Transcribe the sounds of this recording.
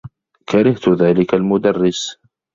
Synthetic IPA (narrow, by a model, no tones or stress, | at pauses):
kaɾɪht̪ʊðaːlɪkalmʊd̪ɑrˤːɪs